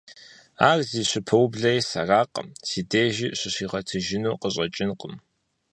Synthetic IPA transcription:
aːrziːɕʷʊpʰɐwbɮɐjsɐraːqʼəmsiːdeːʒɪɕʷɪɕiːʁɐtʰɨʒɪnuːqəɕʼɐt͡ʃʼɪnqʼəm

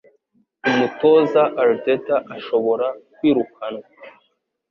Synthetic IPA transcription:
umuto̞ːzaʔaɾdetaʔaʃo̞βo̞ɾakwiːɾukana

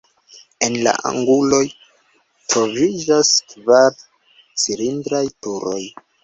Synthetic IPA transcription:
e̞nla̰ʔa̰ŋɡulo̞j | tɾo̞vid͡ʒaskvaɾ | t͡siɾindɾajtuɾo̞̰j

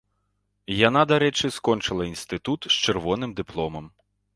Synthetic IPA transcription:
jan̪ad̪aɾɛt͡ʂɨskɔnt͡ʂɨlˠɐinst̪ɨt̪ut̪st͡ʃɨrvɔnɨmd̪ɨplˠɔmɐm

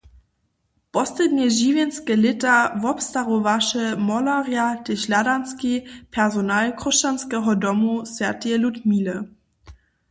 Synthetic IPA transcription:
pɔslɛdɲɛʒiːvjɛnskɛlɪtavɔpstaʁovaʃɛmɔlaʁjatɛɕladanskipʰɛʁzonalkʁɔʃt͡ʃanskɛɦɔdɔmusvʲjatɛlutmiːlə

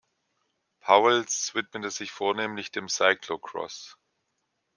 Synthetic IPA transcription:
pʰaʊəlsv̥ɪtmətəz̥ɪçfoːɐneːmlɪçd̥eːmsaɪklokʁ̥ɔ̰s

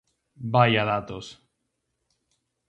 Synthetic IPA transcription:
bajaðat̪os

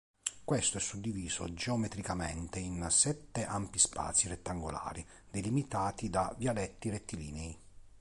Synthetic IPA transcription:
kwest̪oɛsːud̪ːiviːzo̰d͡ʒɛɔmɛt̪ɾikamɛ̰nt̪einsɛt̪ːeʔampispa̰ːt̪siret̪ːaŋɡola̰ːɾi | d̪elimit̪aːt̪id̪avjalɛt̪ːiret̪ːilḭːnɛi

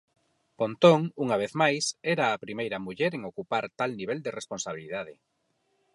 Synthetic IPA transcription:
pont̪oŋuŋaβ̞eθmajsɛɾaːpɾimejɾɐmuʎeɾeŋokupaɾt̪alniβeld̪eresponsaβ̞ilið̞að̞ɪ

